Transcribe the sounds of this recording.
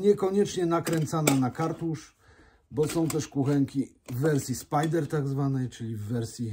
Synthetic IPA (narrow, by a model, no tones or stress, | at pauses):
ɲɛkɔɲɛt͡ʂɲɛnakɾɛnt̪sananakaɾt̪uʂ | bɔsɔ̃w̃t̪ɛʂkuxɛŋkʲi | vːɛɾsʲjispajd̪ɛɾt̪aɡzvanɛjt͡ʂɘlʲivːɛɾsʲji